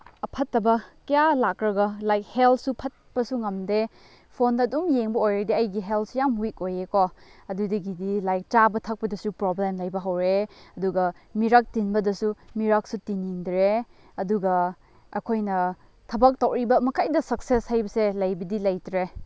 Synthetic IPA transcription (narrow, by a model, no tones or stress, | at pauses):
ɐpʰɐtːɐbɐkɐjalakɾɐɡɐlajk̚heltsupʰɐt̚pɐsuŋɐmde | pʰondɐːdumjeŋbɐojɾɐdiɐjɡiɦelt̚sujamhukojekoɐdudɐɡidilajk̚t͡ʃabɐtʰɐk̚pɐdɐsupɾoblemlɐjbɐɦɐwɾeɐduɡɐmiɾak̚tinbɐdɐsumiɾak̚sutiniŋdɾe | ɐduɡɐ | ɐ̰kʰojnɐ | tʰɐbɐk̚tɐwɾibɐmɐkʰajdɐsɐk̚seshajbɐselɐjbɐdilɐjtɾe